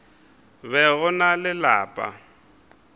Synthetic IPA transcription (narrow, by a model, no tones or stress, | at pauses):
βɛɣʊnalɪlaːpʼa̰